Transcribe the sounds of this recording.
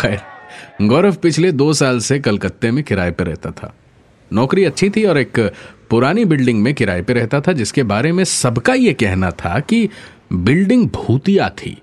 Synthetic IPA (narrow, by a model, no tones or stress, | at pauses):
xɛːɾɡɔːɾəfpɪt͡ʃʰled̪oːsaːlsekɐlkət̪ːemẽkɪɾaːepeɾɛɦt̪at̪ʰa̰ː | nɔːkɾiɐtːʃʰit̪ʰiɔːɾeːkpʊɾaːnibɪlɖɪ̃ŋɡmẽkɪɾa̰ːepeɾɛɦt̪at̪ʰad͡ʒɪskebaːɾemẽsɐbkajekɛɦnat̪ʰa̰ki | bɪlɖɪ̃ŋɡ̚bʱuːt̪ijat̪ʰḭː